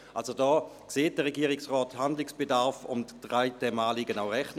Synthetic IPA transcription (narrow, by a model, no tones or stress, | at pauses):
a̰lsodɔːkseːt̚d̥əʁeɡiːʁɪksʁɔːthandlɪksb̥edaʁfʊ̰mtd̥ʁaɪtɛmaːliɡənawʁɛχtn